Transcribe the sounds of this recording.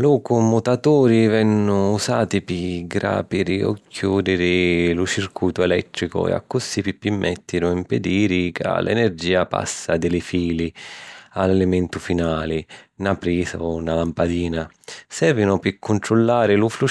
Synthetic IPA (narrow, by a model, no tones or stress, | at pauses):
lɔkʊmːut̪at̪uːɾivɛnːʊːsaːt̪ipiɡɾa̰ːpiɾio̰kʰːjuːd̪ɪɾɪlut͡ʃirkujt̪ʊɛlɛt̪ːɾikʊ̰ɛ̰a̰kːusːipipːimːɛt̪ːinʊimped̪iːɾikʰa̰lʔɛ̰nerd͡ʒiːapa̰sːad̪ɪlɪfiːlialɛlɪmɛnt̪ʊfinaːlɪnapɾiːza̰ʊnːalampad̪iːna | sɛɾvinʊpɪkʰːʊnt̪ɾʊlːaːɾɪluflu